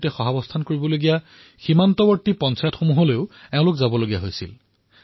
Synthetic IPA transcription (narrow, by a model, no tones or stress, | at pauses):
tɛxɔɦabɔstʰankoɹibɔloɡija | ximantɔbɔɹtipɔnsajɔtxomuɦoleʊɛʊ̃lʊkzabɔloɡijaɦojsḭl